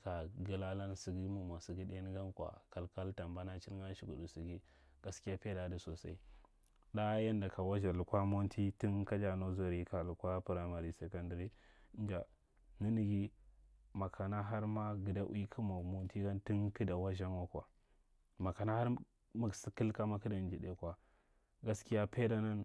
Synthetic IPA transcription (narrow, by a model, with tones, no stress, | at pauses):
ka˨ɡi˨la˦la˦nsi˨ɡi˦mu˨ma˨si˨ɡi˦de˦ni˦ɡa˦nkʷa̰˨ka˨lka˦lta˨mba˦na˦t͡ʃi˦ɾa˦ʃi˦˨ɡṵ˨du˨si˨ɡi˦ | ɡ̥a˨ski˦ja˦pe˦da˨di˦so˨sa̰˦i˦ | da˦ja˦nda˨ka˨wa˦ʒa˨lu˨kʷa˦mo˦ntʰi˦ti˦nka˦d͡ʒa˨no˦zo˨ɾi˨ka˨lu˨kʷa˦pu˨ɾa˨ma˨ɾi˨se˨ka˦ndi˨ɾi˦n˦d͡ʒa˨ | ni˦ni˨ɡi˦ | ma˨kʰa˨na˦ɦa˦ɾma˦ɡi˨da˦ʔkʰi˦mo˨mo˦n˦ti˦ɡa˦nti˦ŋki˦da˨wa˦ʒa˦nwa˦kʷa˨ | ma˨ka˨na˦ha˦ɾ | mu˦ɡsi˦kə˦lka˦ma˦kə˦da˨n˦d͡ʒi˨de˨˦kwa˨ | ɡa˦ski˦ja˦pe˦da˦na˦n